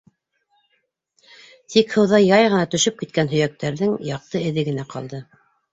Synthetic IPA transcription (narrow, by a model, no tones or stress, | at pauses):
t̪ʰikhɤ̆wðɑjɑjʁɤ̆nɑt̪ɵ̆ʃɵp̚kit̪̚kænɦɵ̆jæk̚t̪æɾðɘŋjɑq̚t̪ɤɘ̆ðɘɡɘ̆næqɑ̰lˠd̪ɤ